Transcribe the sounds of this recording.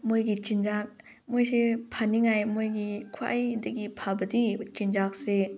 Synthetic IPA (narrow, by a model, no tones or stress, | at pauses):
mojɡit͡ʃind͡ʒak̚ | mojsepʰaniŋajmojɡikʰwaʔajdaɡipʰabədit͡ʃind͡ʒak̚se